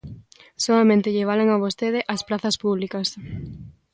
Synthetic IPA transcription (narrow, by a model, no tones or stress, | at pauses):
soɐmẽnt̪ɪʎeβ̞aleŋaβ̞ost̪eðɪʔɐspɾaθɐspuβlikɐs